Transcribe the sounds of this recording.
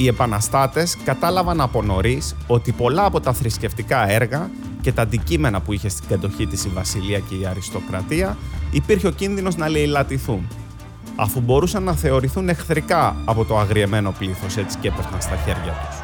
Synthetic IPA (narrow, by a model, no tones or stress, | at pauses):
ie̞pɐnɐst̪ɐt̪e̞skɐt̪ɐlɐvɐnɐpo̞no̞ɾiso̞t̪ipo̞lɐːpo̞t̪ɐθɾisce̞ft̪ikɐe̞ɾɣɐ | ce̞t̪ɐːnd̪icime̞nɐpuiçe̞st̪iɡɐd̪o̞çit̪isivɐsiliɐce̞iɐɾist̪o̞kɾɐt̪iɐipiɾçeo̞cinðino̞znɐle̞ilɐt̪iθun | ɐ̰fubo̞ɾusɐnːɐθe̞o̞ɾiθune̞xθɾikɐɐpo̞t̪o̞ɐɣɾie̞me̞no̞pliθo̞se̞t͡si̥cepost̪ɐnst̪ɐçe̞ɾʝɐt̪u̥s